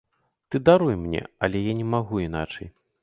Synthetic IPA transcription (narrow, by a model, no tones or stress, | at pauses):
t̪ɨd̪aɾujmnʲɛ̰ɐ̰lʲɛjanʲɛmaɣuinat͡ʂɐj